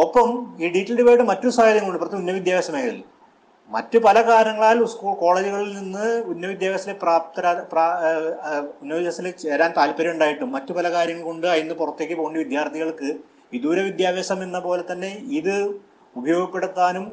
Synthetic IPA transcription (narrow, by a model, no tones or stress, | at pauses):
o̞pːɐmiːɖiːtːɐlɽepoːjʈ̬ːɨmɐtːusaːjɐd̪ɐŋːkoɳɖɨprɐt̪junːɐʋid̪jaːʋɐɕɐmeːkɐðḭl | mɐ̰tːupɐlɐkaːɾjɐŋːɐɭaːlskuːɭko̞ːɭeːd͡ʑiɣɐɭilninːɨunːɐʋid̪jaːʋɐsilepraːp̚t̪ɐɾaprː | unːɐʋid̪jaːsilet͡ɕeːɾaːnt̪aːlpɐɾɐmuɳɖaːjiʈːumːɐtːupɐlɐkaːɾjɐŋːɐɭko̞ɳɖɨɐjinːɨpurɐt̪ːe̞ːk̬ʲːɨpoɣuɳɖiʋid̪jaːrt̪ʰiɣɐɭkɨ | id̪uːɾɐʋid̪jaːʋeːɕɐmenːɐpo̞ːle̞t̪ːɐnːe̞iðɨ | ubʱɐjo̞ːɡɐpːeɽut̪ːaːnum